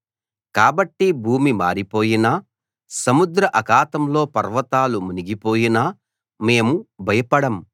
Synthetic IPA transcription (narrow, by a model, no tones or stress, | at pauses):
kaːbɐʈːibʱuːmima̰ːɾipo̞ːjinɐ | sɐmud̪ɾɐʔɐkaːt̪ɐmlo̞ːpɐɾʋɐt̪aːlumuniɡipo̞ːjinɐ | me̞ːmubʱɐjɐpɐɽɐm